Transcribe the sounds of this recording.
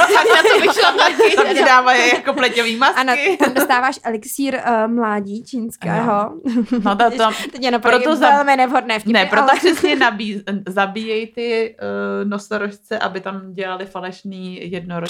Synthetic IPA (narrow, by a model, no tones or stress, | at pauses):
akasovɪʃlaaɪɲɛdaːvajɛjakoplɛcoviːmasanɪt̪amdosst̪aːvaːʃʔɛlɪksiːɾmlaːɟiːt͡ʃiːnskɛːɦonot̪akt̪ɛcjɛnopapɾot̪ozɛlmɪnɛvɦodnɛːfcɪnɛɾoalopr̥ɛsɲɛnabiːzabiːjɛjt̪ɪ | nosoɾoʃt͡sɛʔabɪt̪amɟɛlalɪfalɛʃniːjɛd̚noɾo